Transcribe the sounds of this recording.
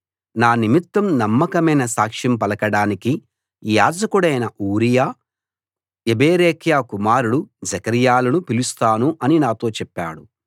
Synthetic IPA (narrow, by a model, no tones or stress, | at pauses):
naːnimit̪wɐmnɐmːɐkɐmɐjnɐsaːkʂɐmpɐlɐkɐɽaːniki | jaːd͡ʒɐkuɽɐjnɐʔuːɾijaː | ebeːɾeːkjaːkumaːɾuɽud͡ʒɐkɐɾijaːlɐnupilust̪aːnuʔɐninaːt̪o̞ːt͡ʃɛpːa̰ːɽu